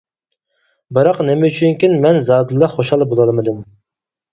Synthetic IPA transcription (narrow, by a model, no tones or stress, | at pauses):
bɨɾɑqnɪmɛyt͡ʃʰyŋkʲinmɛnzɑːd̪ɨlˠːɑχoʃɑlˠbolˠɑlˠmɨd̪ɨm